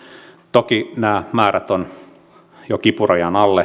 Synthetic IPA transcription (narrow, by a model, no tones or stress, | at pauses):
t̪okinæːmæːræt̪on | jokipurojɑnɑlːe